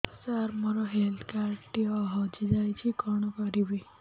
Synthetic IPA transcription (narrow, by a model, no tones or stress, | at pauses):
saɾmɔɾɔɦelt̪ʰkaɾɖʈiɔɦɔd͡ʒid͡ʒajt͡ʃʰikɔɽ̃ɔkɔɾibi